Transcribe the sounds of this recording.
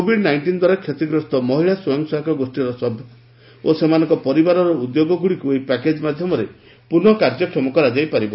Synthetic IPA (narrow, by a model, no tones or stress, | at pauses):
kobʱiɖnajɳʈind̪waɾakʰjet̪iɡɾɔst̪ɔmɔɦiɭaswɔjɔŋsaɦkʰɔɡosʈiɾɔsɔbʱjɔ | osemanɔŋkɔpɔɾibaɾɔɾɔud̪joɡɔɡuɽikuejpaked͡ʒmad̪ʱjɔmɔɾe | punɔkaɾd͡ʒɔkʰɔmɔkɔɾad͡ʒajpaɾibɔ